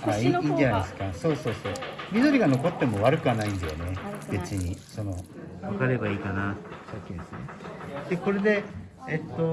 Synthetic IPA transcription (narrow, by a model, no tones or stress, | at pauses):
aiiːd͡ʒanad̪sɨ̥kaso̞ːso̞ːso̞ːmʲid̪o̞ɾʲiɡano̞ko̞t̪ːe̞mo̞βaɾɯ̟kɯ̟anaĩnd̪ejone̞b̥e̞t͡sɨɲ̟iso̞no̞ | βakaɾe̞baiːkanaɕokʲːĩsɨnḛd̪̥eko̞ɾe̞d̪e̞ | et̪ːo